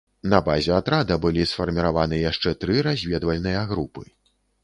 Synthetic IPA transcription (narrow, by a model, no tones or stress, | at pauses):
nɐbazʲɛat̪ɾad̪ɐbɨlʲisfɐrmʲiɾavanɨjaʂt͡ʂɛt̪ɾɨɾazʲvʲɛd̪vɐlʲnɨjɐɣɾupɨ